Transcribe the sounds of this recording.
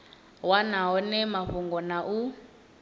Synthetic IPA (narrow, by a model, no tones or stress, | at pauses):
wanaɦɔnɛmaɸuŋɡɔnaʔu